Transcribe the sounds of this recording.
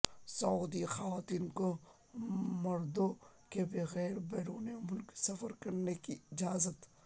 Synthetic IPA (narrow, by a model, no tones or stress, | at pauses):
sɐuːd̪ixɐʋaːt̪iːnko | mɐɾd̪okebeɣɛːɾbeːɾuːnemʊlksɐfəɾkɐɾnekiɪd͡ʒaːzət̪